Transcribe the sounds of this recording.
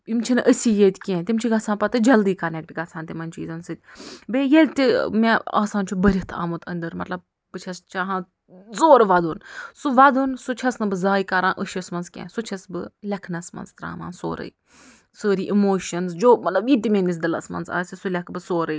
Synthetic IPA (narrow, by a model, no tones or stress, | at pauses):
imt͡ʃʰinɨʔəsʲiːjet̪ʲkʲẽt̪ʲimt͡ʃʰiɡɐt͡sʰãːnpɐt̪ɨd͡ʒɐld̪iːkɐnʲɐk̚ʲbʲiɡɐt͡sʰãːnt̪imɐnt͡ʃḭːzɐnsɨt̪ʲbejelʲt̪ʲimea̰ːsãːnt͡ʃʰubɐɾʲit̪ʰa̰ːmut̪ʰɐnd̪ɐɾmɐ̰t̪lɐb̚ | bɨt͡ʃʰɐst͡ʃaɦãː | zoːɾʋɐd̪unsuʋɐd̪unsut͡ʃʰɐsnɨbɨzaːjikɐɾãːnʔəʃɐsmɐnzkʲḛ̃ːsut͡ʃʰɐsbɨlʲɐkʰnɐsmɐ̰nzt̪ɾa̰ːma̰ːnso̰ːɾə̰i | soːɾiːʔimoːʃɐnzd͡ʒoːmɐt̪lɐbjit̪ʲimʲenis̬d̪ɐlɐ̰smɐ̰nza̰ːsʲisulʲɐkʰbɨsoːɾəj